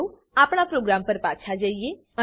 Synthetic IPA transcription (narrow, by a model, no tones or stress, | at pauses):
u | apɳ̃apɾoɡɾampəɾpat͡ʃʰad͡ʒəije | ə